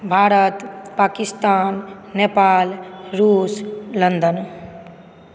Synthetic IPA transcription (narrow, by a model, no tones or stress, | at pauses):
bʱaːɾət̪pakist̪aːnːepaːlɾuːslənd̪ən